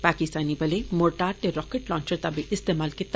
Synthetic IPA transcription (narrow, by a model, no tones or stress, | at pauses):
paːkɪst̪aːnibɐlemoɾʈaːɾʈeɾɔːkeʈlɔ̃ːnt͡ʃəɾt̪abeʔɪst̪eːmaːlkɪt̪ː